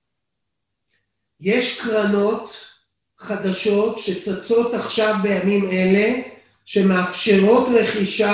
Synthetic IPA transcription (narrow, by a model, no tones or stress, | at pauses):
je̞ʃkʁano̞t | χad̪aʃo̞tʃe̞t͡sat͡so̞taχʃavbe̞jamime̞le̞ | ʃe̞meafʃe̞ʁo̞tʁe̞χiʃa